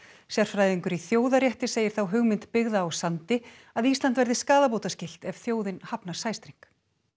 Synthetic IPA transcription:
sjar̥fɾaːjðiŋkʏɾiθjoːwðaɾjɛht̪ɪseːjɪɾ̥θawɦʏɣmɪnt̪pɪɣðaːwsant̪ɪ | aðist̪ant̪vɛɾðɪskaːðapoːwt̪ascɪl̥t̪ɛv̥θjoːwðɪnhapnḁsaːjst̪ɾiŋ̥k

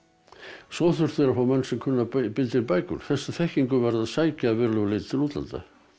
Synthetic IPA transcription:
svɔθʏr̥θɛɾafawmɛnːsɛmkʰʏnːapɪlt̪ɪɾpaːjkʏ̰ɾ̥θɛsːaθɛhciŋkʏvɛɾðaðsaːjcaːðvɪɾlœɣʏlɪːt̪t̪ʰɪluːt̪la̰nt̪a̰

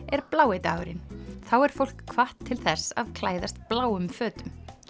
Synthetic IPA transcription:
ɛɾplaːwejt̪aːɣɾɪ̰nθawɛɾ̥fowl̥kʰːvaht̪ʰːɪlθɛsa̰ðkʰlaːjðast̪̚plaːwʏmfœːt̪ʏm

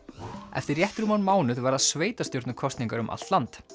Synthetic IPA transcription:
ɛ̰ft̪ɪɾjɛht̪ɾumanmaːwnʏðvaɾaðsveːjt̪ast̪jowɾt̪nʏkʰɔst̪nĩŋkaɾʏmʔa̰l̥t̪lant̪

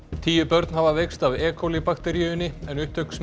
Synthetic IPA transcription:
t̪ʰiːjʏpœɾt̪nhavavejkst̪avɛːkʰolipakt̪ɛɾjʏʏnɪɛnʏht̪ʰœks

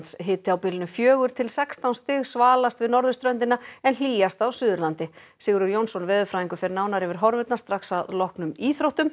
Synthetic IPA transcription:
t̪sɦɪːt̪ɪawpɪːlɪnʏfjœːɣʏɾ̥t̪ʰɪlsɛkst̪awnst̪ɪɣsvaːlast̪vɪðnɔɾðʏst̪ɾœnt̪ɪnaɛnl̥iːjast̪awsʏːðʏɾlant̪ɪ | sɪːɣɾʏɾjownsɔnvɛːðʏfɾaːjiŋkʏfɛɾnaːwnaɾɪvɪɾ̥ɦɔɾvɛt̪nast̪ɾaksaðlɔhknʏmiːθɾowht̪ʏm

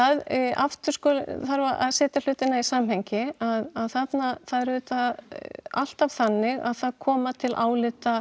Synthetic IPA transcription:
aða̰ft̪ʏ̥skɔːlθaɾvaa̰ðsɛːt̪al̥ʏːt̪ɪnaisaːmhɛjɲcɪaðaðθat̪naθaðɛɾvʏːt̪a | a̰l̥t̪av̥θanːɪɣa̰ðθaðkʰɔːmat̪ʰɪlʔaːwlɪt̪a

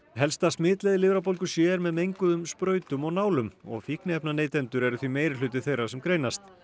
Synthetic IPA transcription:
ɦɛlst̪asmɪːt̪lɛðɪlɪvɾapowlkʏ̥sjɛːɾmɛðmejŋkʏðʏmspɾœːɥt̪ʏmɔɣnaːwlʏmɔ̰ɣfihknɪɛpnaneːjt̪ɛnt̪ʏɾɛɾʏθvimeːjɾɪlʏːt̪ɪθejrḁsɛmkɾeːjnast̪

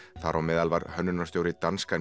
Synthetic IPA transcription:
θaɾawmɛːðalvaɾhœnːʏnast̪jowɾɪt̪anskan

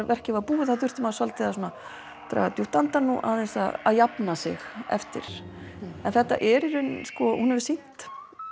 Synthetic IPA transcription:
vɛr̥cɪvapuːɪθaθʏr̥t̪ɪmaðsalt̪ɪasuːna | t̪ɾa̰ːat̪juht̪ant̪anːuʔa̰θɛnsa̰ða̰ðjapnasɪ̰xɛ̰ft̪ɪ̰ɾ̥ | ɛnθɛht̪ːa̰ʔɛɾɪɾʏnskɔhunhɛvɪsin̥t̪

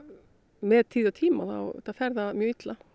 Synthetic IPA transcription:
mɛðt̪ʰiːðawt̪ʰiːma̰la̰wt̪afɛɾðamjœːit̪la

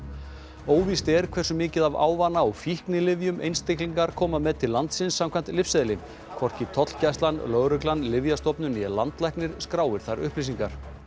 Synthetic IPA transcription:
oːwvist̪ɛɾ̥kʰvɛrsʏmɪːcɪðava̰ːwvanːaɔɣfjihknɪlɪvjʏmʔḛjnst̪ɪhkliŋkaɾkʰɔːmamɛðt̪ʰɪlːant̪sɪnsːam̥kʰajn̥t̪lɪfsɛðlɪm | kʰvɔr̥cɪt̪ʰɔt̪l̥cajst̪lanlœɣɾʏklanlɪvjast̪ɔpnʏniɛlant̪lajhknɪɾ̥skɾaːwvɪɾ̥θaɾʏhplisiŋkaɾ̥

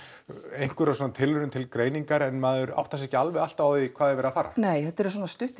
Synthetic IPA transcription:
ejŋ̥kvʏɾasɔːnat̪ʰɪlvʏnʏmt̪ʰɪlkɾeːjniŋkaɾɛnmaːðʏɾa̰wht̪as̬ɛhcɪalvɛɣalt̪avawðikʰvaːðɪvɛːɾafaːɾa̰neːjhɛt̪ːɛɾs̬wɔnast̪ʏht̪

